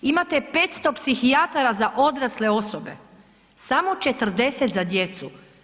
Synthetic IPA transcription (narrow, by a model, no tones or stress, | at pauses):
imat̪e̞pet̪st̪o̞psixiat̪aɾazaʔo̞d̪ɾasleo̞sobe̞̰ | samo̞t͡ʃe̞t̪r̩d̪e̞set̪zad̪je̞t̪su